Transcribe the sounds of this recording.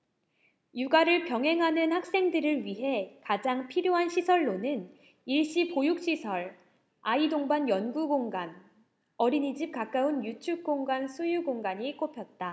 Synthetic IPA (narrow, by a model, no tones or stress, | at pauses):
juɡaɾɯɭpjʌŋɦe̞ŋɦanɯnhak̚s͈e̞ŋdɯɾɯɭɥiɦe̞kad͡ʑaŋpʰiɾjoɦanɕʰisʰʌɭːonɯn | iɭɕ͈ipojuk̚ɕ͈isʰʌɭ | aidoŋbanjʌnɡuɡoŋɡan | ʌɾiɲid͡ʑip̚k͈ak͈aunjut͡ɕʰuk͈oŋɡansʰujuɡoŋɡaɲik͈opʰjʌt̚t͈a